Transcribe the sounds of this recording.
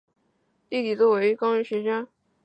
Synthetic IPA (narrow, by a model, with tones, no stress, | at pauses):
t̪i˥˩t̪i˨˩t͡swɔ˥˩we˧˥ɪ˧kɑ˥ŋɻy˧˥ɕɥɛ˧˥ʈ͡ʂa˥n